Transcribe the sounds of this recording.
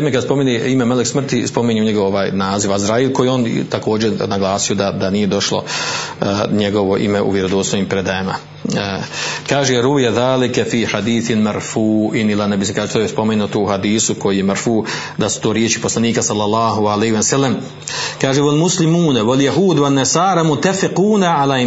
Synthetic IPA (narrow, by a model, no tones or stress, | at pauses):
emekad̪spo̞mineimemaleksmr̩t̪ispo̞miɲuɲeɡoʋoʋaːjnaːziʋazɾaːilko̞jio̞ːn̰t̪ako̞ːd͡ʑenaɡlˠaːsijod̪ad̪aniːje̞d̪o̞ʃlo̞̰ | ɲe̞ɡo̞ʋo̞ʔḭmeʔṵʋjeɾod̪oːsoʋiːmpɾed̪ajama̰ | kaːʒeɾuijaðaːlikɛfiːħad̪iːθmaɾfuːʔɪnilanebisimkaːʒet̪ojespo̞menuːt̪ouhad̪iːsuko̞jijemaɾfuː | d̪asu̥t̪oːɾjet͡ʃi̥poslˠaniːkasalːalːɑːɦualeːhiesalːam | kaːʒewalmuslimuːnwaljaɦuːd̪wanːasaːɾamut̪afɪquːnaʕala